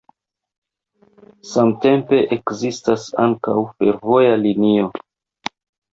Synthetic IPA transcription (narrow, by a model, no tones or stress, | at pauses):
samte̞mpe̞ʔekzistasa̰ŋkawfe̞ɾvo̞jalinio̞